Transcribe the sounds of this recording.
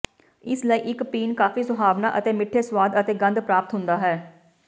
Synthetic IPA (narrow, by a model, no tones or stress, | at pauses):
ɪsləiːʔɪkpiːnkaːfiːsʊbʱaːʋnaːʔət̪eːmɪʈʰːeːswaːd̪ət̪eːɡə̃nd̪pɾaːpət̪ɦʊnd̪aːɦɛː